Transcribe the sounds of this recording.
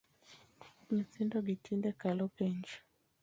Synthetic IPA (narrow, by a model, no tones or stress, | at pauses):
mit͡sindɔɡitʰindɛkalɔpɛɲd͡ʒi̥